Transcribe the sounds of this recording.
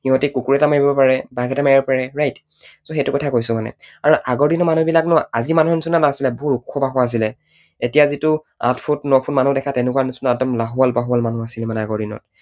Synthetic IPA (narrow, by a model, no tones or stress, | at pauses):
hiɦɔtikukuɹɛtamaibbɔpaɹɛbaɡɛtamaibɔpaɹɛɹajt | soxetʊkɔtʰakojsʊmanɛ̰aɹuʔaɡɔɹdinɔmanubilaknɔaazimanuɦɔnisunanasilɛbɔɦutukʰːɔbaɦɔaːs̬ilɛ | etijazitʊ | a̰tʰpʰutnɔpʰunmanudɛkʰatɛnɛkwanisunadɔmlaɦualbaɦualmanuasilɛmanɛaɡɔɹdinɔ̰t̚